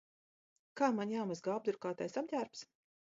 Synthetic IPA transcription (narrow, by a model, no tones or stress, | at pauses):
kaːmanjaːwmazɡawb̚d̪uɾkaːt̪ajsabdʲæːɾps